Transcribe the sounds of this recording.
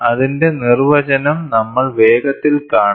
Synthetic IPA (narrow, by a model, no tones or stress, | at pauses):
ɐðinde̞nirʋɐd͡ʑɐnɐmnɐmːɐɭʋeːɡɐt̪ːilkaːɳ